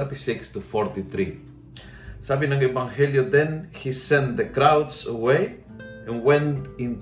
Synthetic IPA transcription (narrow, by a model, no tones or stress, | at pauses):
ɾt̪isikst̪ufoɾt̪iθɾi | savĩnãŋevãŋhelioðẽnhisɛ̃nt̪ðekɾawdsəwej | ẽnwẽnt̪ĩnt